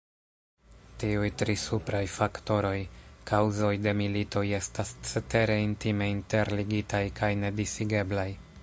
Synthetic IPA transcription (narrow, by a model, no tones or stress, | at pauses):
tiujtɾisupɾajfakto̞ɾo̞jkʰawzo̞jde̞milito̞je̞stast͡sete̞ɾe̞intime̞inte̞ɾliɡitajkʰajne̞disiɡe̞blaj